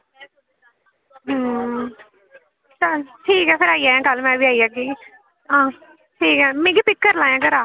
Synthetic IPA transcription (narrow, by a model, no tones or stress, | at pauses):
ɦ | t̪aʈʰiːkɛːpʰɪɾaːiːaːjãːkəlmɛ̃ːbiːaːiːaːɡiː | ɦãː | ʈʰiːkɛːmẽːɡiːpɪk̚kəɾlãːjãːɡəɾaː